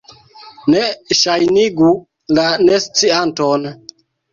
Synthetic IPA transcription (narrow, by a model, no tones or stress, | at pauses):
neʃajniɡu | lanest͡sianton